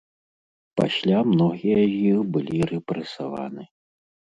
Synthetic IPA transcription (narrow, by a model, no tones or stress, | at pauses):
pa̰sʲlʲamnɔɣʲijɐzʲjixbɨlʲiɾɛpɾɛsava̰nɨ